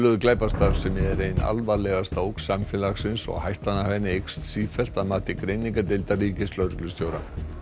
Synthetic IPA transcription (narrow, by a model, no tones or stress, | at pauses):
lʏðʏklaːjpast̪aɾɾsɛmjɛɣɛɾejna̰lvalɛɣast̪aowksamfɛlaxsɪnsɔ̰ɣhajht̪anahvɛnːɪejkst̪siːfɛl̥t̪aðmaːt̪ɪkɾejniŋkat̪ɪlt̪ariːcɪslœːɾklʏst̪joːwɾa